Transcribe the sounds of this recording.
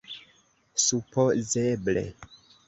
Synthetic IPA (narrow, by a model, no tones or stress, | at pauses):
supozeblḛ